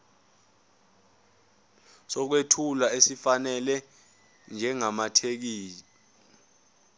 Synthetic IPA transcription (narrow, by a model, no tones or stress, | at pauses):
sɔk̬wetʰulaesifanɛlɛ | nd͡ʒʱɛŋamatʰek̬iːl